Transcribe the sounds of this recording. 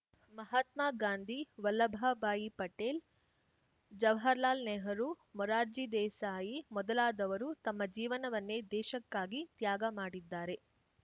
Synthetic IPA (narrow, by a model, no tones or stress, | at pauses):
mɐɦɐt̪maːɡaːnd̪ʱiʋɐlːɐbʱɐbaːjipɐʈeːl | d͡ʒɐʋɦɐɾlaːlnɛːɦɐɾu | mɔɾaːɾd͡ʒid̪ɛːsaːjimɔd̪ɐlaːd̪ɐʋɐɾut̪ɐmːɐd͡ʒiːʋɐnɐʋɐnːed̪ɛːʃɐkːaːɡit̪jaːɡɐmaːɽid̪ːaːɾe̞